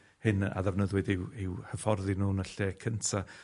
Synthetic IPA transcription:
hɨna̰ðɛvnəðwɨdɪwɪwhəfɔrðɪnuːnəɬeːkʰəntʰa

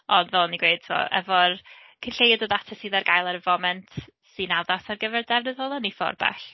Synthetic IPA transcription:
ɔndvɛlˠniɡwejd̥̚tʰvɔ̰ʔɛ̰vɔr | kʰənɬejədəðatʰasiðarɡajlˠaɾvɔmɛntʰ | sɨnaðasarɡəvɛrdɛvnəðɔlˠənifɔ̰rba̰ɬ

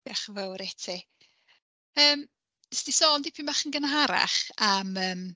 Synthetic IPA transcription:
aχəvəwɾɛtʰi | əːm | sdisɔːndipʰimaχənɡənɦaɾa̰χaməːm

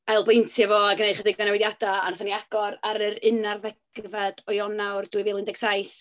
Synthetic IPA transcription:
alˠbejntʰjavoːaɡənejχədɪɡɔnawɪðjadaa̰naθəniaɡ̥ɔɾaɾəɾɨnarðɛɡ̥vad̥ɔjɔnawrdwɨveːlˠɪndɛɡ̥sajθ

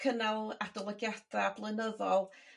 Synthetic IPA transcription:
kʰənalˠadɔlˠɔɡjad̥aːblˠənəðɔlˠ

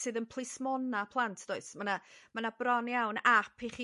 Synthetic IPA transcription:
sɨːðənpʰlˠɨsmɔnapʰlˠantʰd̥oɨsmanamanabrɔnjawnapʰiχiː

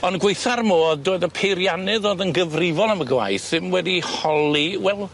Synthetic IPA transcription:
ɔnɡwejθarmoːðdoːɨðəpʰejɾjanɨðoːðənɡəvrɪvɔlˠaməɡwa̰jθɪmwɛdihɔlˠiwɛlˠ

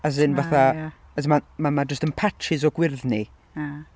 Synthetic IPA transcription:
as̬ɨnvaθa | əsmamamad͡ʒəstənpʰat͡ʃʰɪzɔɡwɪrðni

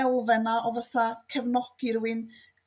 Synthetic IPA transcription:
ɛlˠvɛnaʔɔvəθakʰəvnɔɡ̥iɾuɨn

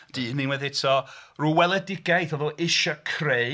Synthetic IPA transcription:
d̥iːninwɛðɪtʰɔruwɛlˠɛdɪɡajθɔðɔɪʃakʰrej

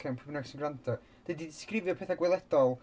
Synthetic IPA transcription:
kʰɛmpʰɔbnasənɡrantʰɔ | d̥edidɪskrɪvjɔpʰeːθaɡwɪlˠɛd̥ɔlˠ

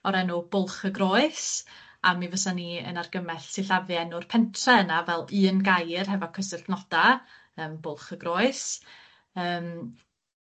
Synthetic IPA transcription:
ɔɾɛnub̥ʊlˠχəɡrɔɨs | amivəsaniə̰narɡəmɛɬsɪɬavɨɛnʊrpʰɛntʰrɛənavɛlˠɨːnɡajrɦɛvɔkʰəsɪrdnɔd̥a | əːmbʊlˠχəɡrɔɨs | əːm

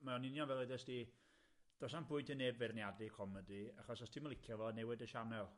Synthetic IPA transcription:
maɔnɪnjɔnvɛlˠeðɛsdi | d̥ɔsanpʰʊɨntʰənevɛrnjadikʰɔmədiaχɔsɔstʰiːmalˠɪkʰjɔvɔnɛwɪdəʃanɛlˠ

